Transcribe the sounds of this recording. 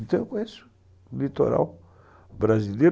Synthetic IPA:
t̪ekwesu̥ | lit̪o̰ɾa̰w | bɾaziljeɾ

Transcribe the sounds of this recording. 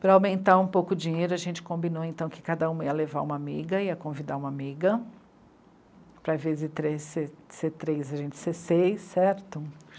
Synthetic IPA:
pɾɐawmẽnt̪aɾũpowkʊd͡ʒiɲejɾʊɐʒẽnt͡ʃɪ̥kõmbinowẽnt̪ɐ̃w̃kɪ̥kad̪ɐũmɐiɐlevaɾũmɐamḭɡɐiɐkõvid̪aũmɐamiɡɐ | pɾɐvezɪt̪ɾeseset̪ɾejzɐʒẽnt͡ʃɪ̥sesejsɛɾt̪ʊ

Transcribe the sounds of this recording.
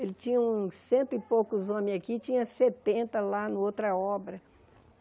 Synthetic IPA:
elɪt͡ʃĩɲɐũsẽnt̪ʊɪpokʊzõmẽakit͡ʃĩɲɐset̪ẽnt̪ɐlanɐowt̪ɾɐɔbɾɐ

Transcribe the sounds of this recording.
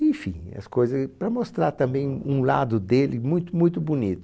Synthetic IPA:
ẽfḭ̃ɐ̰skojzɐpɾɐmost̪ɾaɾt̪ɐ̃mbẽj̃ũlad̪ʊd̪elɪmũj̃t̪ʊmũj̃t̪ʊbunit̪ʊ

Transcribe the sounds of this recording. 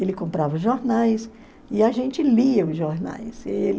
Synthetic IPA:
elɪkõmpɾavʊʒoɾnajs | ɪaʒẽnt͡ʃɪliɐʊzʒoɾna̰jselɪ

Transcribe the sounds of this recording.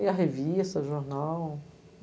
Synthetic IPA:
iɐɦevist̪ɐʒoɾnaw

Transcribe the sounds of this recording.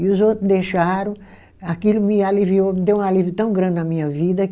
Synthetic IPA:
iʊzowt̪ɾʊzd̪eʃaɾɐ̃ | akilʊmɪaliviowmɪd̪ewũalivijʊt̪ɐ̃w̃ɡɾɐ̃nd̪ɪnɐmĩɲɐvid̪ɐ

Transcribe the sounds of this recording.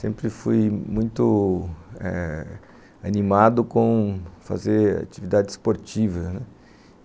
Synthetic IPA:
sẽmpɾɪfujmũj̃t̪ʊ | ɛ̰ | animad̪ʊkõfa̰zeɾa̰t͡ʃivid̪ad͡ʒɪsspoɾt͡ʃivɐnɛ

